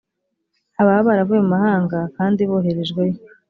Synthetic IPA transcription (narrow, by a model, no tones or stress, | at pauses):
aβahaβaɾavujemumahaːŋɡakaːndiβoːɦe̞ɾeʒɡwe̞jo